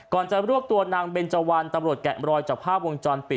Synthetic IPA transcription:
kɔː˨˩nt͡ɕa˨˩ɾu˥˩t̪u˧ənaː˧ŋbeː˧nt͡ɕa˧wa˧nt̪a˧mɾu˨˩ət̪̚kɛ̰˨˩ʔɾɔː˧jt͡ɕaː˨˩pʰaː˥˩p̚wo˧ŋt͡ɕɔː˧npi˨˩

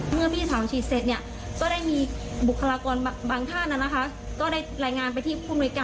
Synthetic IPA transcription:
mɯ˥˩əpʰiː˥˩sʰaː˩˦wt͡ɕʰiː˨˩t̪̚se˨˩t̪̚ni˥˩ɐ | kɔː˥˩daː˥˩jmiː˧bkʰːa˧aː˧kɔː˧n˧baː˧ŋt̪ʰaː˥˩nʔa˧˩na˦˥kʰa˦˥ | kɔː˥˩daː˥˩jɾaː˧jŋaː˧npa˧jt̪ʰiː˥˩pʰuː˥˩mnu˧əjkaː˧

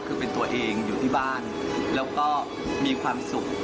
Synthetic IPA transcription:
kʰɯː˧pe˧nt̪u˧ɐʔeː˧ŋjuː˨t̪ʰiː˥˩baː˥˩n | lɛː˦˥wkɔː˥˩ | miː˧kʰwaː˧msu˨˩k̚

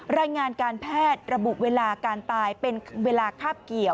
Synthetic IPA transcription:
ɾaː˧jŋaː˧nkaː˧npʰɛː˥˩t̪̚ɾa˧bu˨˩ʔweː˧laː˧kaː˧nt̪aː˧jpe˧nweː˧laː˧kʰaː˥˩p̚ki˨˩əw

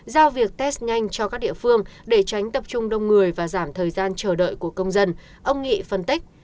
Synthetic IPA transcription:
zaː˧wvi˨˩ək̚t̪ɛ˦˥st̚ɲa˧jŋ̟t͡ɕɔ˧ka˦˥k̚ɗḭ˧˨əfɨ˧əŋɗe˧˩t͡ɕa˨˦jŋ̟t̪ə˨˩p̚t͡ɕʊ˧ŋ͡mɗə˧wŋ͡mŋɨ˨˩əjvaː˨˩zaː˧˩mt̪ʰəː˨˩jzaː˧nt͡ɕəː˧˩ɗə̰ː˧˨jku˧˩əkə˧wŋ͡mzə˧n | ʔə˧wŋ͡mŋḭ˧˨fə˧nt̪ï˦˥k̟̚

